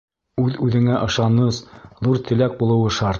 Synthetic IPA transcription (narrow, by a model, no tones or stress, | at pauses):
ʉðʉðɘ̆ŋæʔɤ̆ʃɑnɤsðuɾt̪ʰɘ̆læk̚bulˠɤ̆wɤʃɑɾt̪